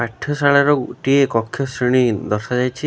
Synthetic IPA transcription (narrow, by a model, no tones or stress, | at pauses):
aʈʰːɔsaɭaɾɔʈiekɔkʰːjɔsɾiɽ̃id̪ɔɾsad͡ʒajt͡ʃʰi